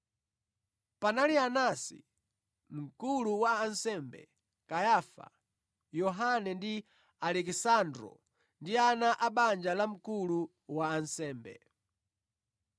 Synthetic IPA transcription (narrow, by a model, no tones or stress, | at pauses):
panalianasḭ | m̩kuluwaːnsɛmbɛ̰ | kajafa̰ | jɔɦanɛndi | alɛkisandɾɔ̰ | ndianaʔaɓand͡ʒalam̩kulu | waːnsɛːmbɛ̰